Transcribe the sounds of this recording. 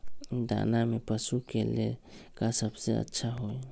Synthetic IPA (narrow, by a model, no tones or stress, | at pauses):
d̪a̰namɛpəsukelɛ | kasəbseə̰tːʃʰaɦoj